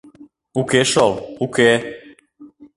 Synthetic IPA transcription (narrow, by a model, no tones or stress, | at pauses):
ukeʃoluke